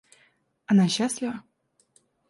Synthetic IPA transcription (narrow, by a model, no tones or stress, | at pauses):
ɐnaɕːasʲlʲɪvə